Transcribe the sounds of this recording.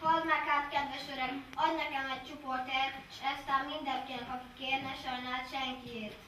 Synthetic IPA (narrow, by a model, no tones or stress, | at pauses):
hɒlmakaːt̪kɛd̪ʋɛʃøɾɛɒd̪nɛkɛmɛɟ̚t͡ʃuport̪eːrt̪ʃɛst̪aːmːind̪ɛŋkelkɒki̥keːrnɛʃɒjnaːt̪ʃɛŋkieːrt̪